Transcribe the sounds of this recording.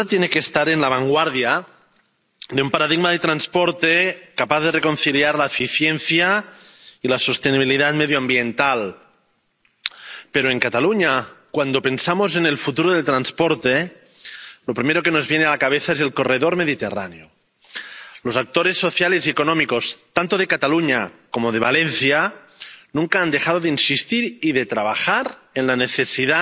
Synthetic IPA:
t̪jenekest̪aɾenlaβ̞aŋɡwaɾðja | ðeumpaɾaðiɣmaðet̪ɾanspoɾt̪ekapaθðe̞reko̞nθiljaɾlaefiθjenθja | ilasost̪eniβ̞iliðat̪meðjoambjent̪al | peɾoeŋkat̪aluɲakwand̪ope̞nsamozene̞lfut̪uɾoðelt̪ɾanspoɾt̪e | lopɾimeɾo̞keno̞zβjenealakaβ̞eθaezelko̞reðoɾmeðit̪ḛra̰neo | lozak̚t̪oɾe̞sːo̞θjaleziekonõmiko̞st̪ant̪oð̞ekat̪aluɲakomoð̞eβ̞alenθja | nũŋkaand̪e̞xaðoðeinsist̪iɾiðet̪ɾaβ̞axaɾ | enlaneθe̞siða

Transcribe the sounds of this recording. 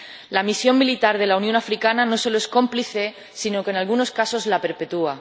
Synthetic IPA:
lamisjo̞mːilit̪aɾðe̞launjõnafɾikanano̞so̞loe̞sko̞mpliθe̞ | sinokenalɣuno̞skaso̞zlape̞ɾpe̞t̪ua

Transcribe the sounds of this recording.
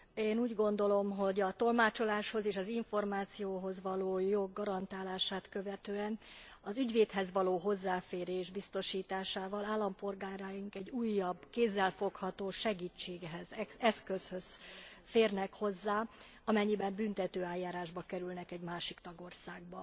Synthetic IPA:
eːnuːɟɡo̞nd̪o̞lo̞mɦo̞ɟɒt̪o̞lmaːt͡ʃo̞laːʃho̞zeːʃɒziɱfo̞rmaːt̪sijoːɦo̞zʋɒloːjo̞ɡːɒɾɒnt̪aːlaːʃaːt̪køvɛt̪øːɛnɒzyɟʋeːt̪ɦɛzʋɒloːɦo̞zːaːfeːɾeːʒbist̪o̞ʃiːt̪aːʃaːvɒlaːlːɒmpo̞lɡaːɾaːjiŋkɛɟuːjːɒbkeːzːɛlfo̞khɒt̪oːʃɛɡiːt͡ʃːeːɡɦɛzɛɛskø̞shø̞zfeːrnɛkho̞zːaː | ɒmɛɲːibɛmbynt̪ɛt̪øːaːjːaːɾaːʒbɒkɛɾylnɛkɛɟmaːʃikt̪ɒɡo̞rsaːɡ̚bɒ

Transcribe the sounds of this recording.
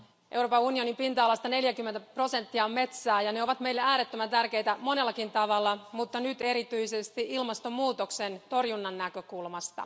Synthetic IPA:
ʔe̞wroːpɑunio̞nimpint̪ɑɑlɑst̪ɑne̞ljækymːe̞nt̪æpro̞se̞nt̪ːiɑmːe̞t̪sæːjɑne̞o̞ʋɑt̪me̞ilːeæːɾet̪ːømænt̪ærk̟e̞jt̪æmo̞ne̞lːɑkint̪ɑʋɑlːɑmut̪ːɑnyt̪e̞ɾit̪yisest̪iʔilmɑst̪o̞mːuːt̪oksent̪o̞rjunːɑnːækø̞kulmɑst̪ɑ̰

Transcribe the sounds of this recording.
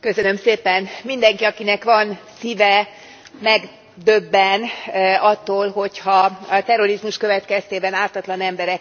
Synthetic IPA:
køsønø̞mseːpɛnmind̪ɛŋkiɒkinɛkʋɒnsivɛ | mɛɡ | d̪øbːɛnɒt̪ːoːlɦo̞chɒɒt̪ɛɾo̞ɾizmuʃkø̞vɛt̪kɛst̪eːbɛnaːt̪ɒt̪lɒnɛmbɛɾɛk

